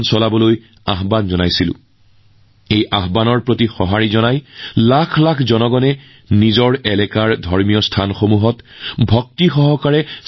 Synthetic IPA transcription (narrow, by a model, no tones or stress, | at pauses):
nsɔlabɔloj | aɦbanzɔnajsilʊ̰̃ | ejʔaɦbanɔɹpɹotixɔɦaɹizɔnajlakʰlakʰzɔnɔɡɔnɛ | nizɔɹɛlɛkaɹdʱɔɹmijɔstʰanxomuɦɔtbʱɔk̚tixɔɦɔkaɹɛ